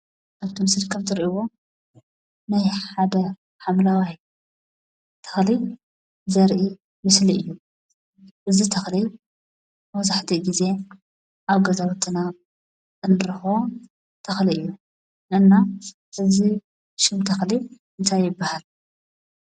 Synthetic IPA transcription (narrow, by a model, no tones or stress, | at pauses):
ʔaβt̪ʰimɨslikʰɐmt̪ʰɨɾʔiwo̞ | najħad̪ɐ | ħamlawaj | t̪ʰɐ̥xli | zɐɾʔi | mɨsliɨjːu | ʔɨzit̪ʰɐxli | mɐzaħt̪ʰiɡize̞ | ʔaβɡɐzɐβt̪ʰʼɨna | ɨnɾɨxo | t̪ʰɐxliɨjːu | ʔɨnːa | ʔɨzi | ʃɪmt̪ʰɐxliʔɨnt̪ʰajːɪbːahal